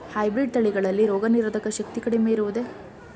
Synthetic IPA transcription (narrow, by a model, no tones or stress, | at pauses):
hɐjbɾiɖ̚t̪ɐɭiɡɐɭɐlːiɾoːɡɐniɾʋɐd̪ʱɐkːɐʃɐk̚t̪ikɐɽimeiɾuʋud̪e̞